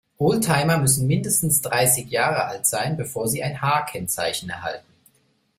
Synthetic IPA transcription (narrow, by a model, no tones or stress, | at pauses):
ʔɔːltʰhaɪmɐmʏsn̩mɪndəstn̩sd̥ʁaɪsɪçjaːʁəʔa̰ltz̥aɪnbəfoːɐziːaɪnhaːɐkʰɛnt͡sa̰ɪçn̩ɛ̰ɐɦa̰ltn̩